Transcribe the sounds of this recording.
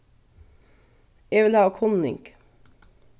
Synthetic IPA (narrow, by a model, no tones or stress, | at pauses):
jeːʋɪlhɑːkʰɔnɪ̰ŋk